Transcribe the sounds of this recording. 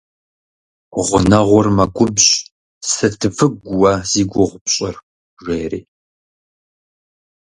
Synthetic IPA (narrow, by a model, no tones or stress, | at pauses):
ʁʷʊnɐʁʷʊrmɐɡʷʊbʑ | sɐtʰɨvɨɡʷʊwaz̥iːɡʷʊʁʷʊpɕʼɐr | ʒʷeːɾeː